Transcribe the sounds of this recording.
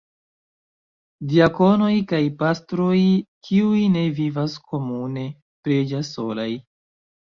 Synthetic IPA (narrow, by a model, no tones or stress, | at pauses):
diako̞no̞jkajpastɾojkʰiujne̞vivaskʰo̞mune̞ | pɾed͡ʒaso̞laj